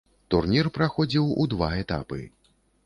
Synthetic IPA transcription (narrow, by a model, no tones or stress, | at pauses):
t̪urnʲirpɾaxɔd͡zʲiwud̪vaɛt̪a̰pɨ̰